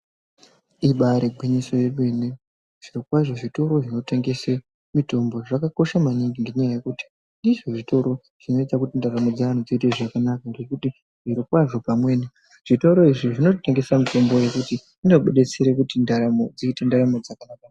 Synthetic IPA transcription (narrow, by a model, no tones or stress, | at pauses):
iɓaɾeɡʱwiɲiso̞je̞ɓe̞ne | ʐ̥iɾikwaʐo̞ʐito̞ɾo̞ʐino̞te̞ŋɡe̞se | mito̞mbo̞ʐakako̞ʃamaniŋɡiŋɡe̞ɲajaje̞kuti̥ | niʐoʐito̞ɾo̞ | ʐ̥ino̞ett͡sakutindaɾamod͡zaan̤ud͡ziite̞ʐakanakandekuti | ʐiɾikwaʐo̞pamwe̞ːni | ʐ̥ito̞ɾo̞iʐiʐino̞te̞ŋɡe̞samito̞mbo̞je̞kuti | inoɓeɗet͡seɾekutindaɾamod͡ziitendaɾamod͡zakanaːka